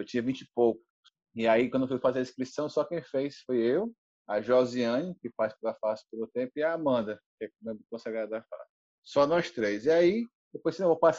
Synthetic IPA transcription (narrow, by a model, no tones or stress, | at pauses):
ewt͡ʃĩɲɐvĩt͡ʃɪpowkʊ̥ss | iaikwɐ̃d̪ofujfazeɐiskɾisɐ̃w̃sɔkẽfejsfojew | aʒɔziɐ̃nɐkɪfaspɾɐfasɪ̥poɾõt̪ẽpʊiaːmɐ̃nd̪ɐkɪɛkmẽkõsaɡɾad̪d̪afa̰sɪ̥ | sɔnɔst̪ɾejziai | d̪epojsẽwvowpas